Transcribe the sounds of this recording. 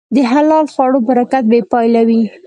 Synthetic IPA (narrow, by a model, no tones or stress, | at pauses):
d̪əɦalɑlxwɑɽobaɾakat̪̚bepɑjlawi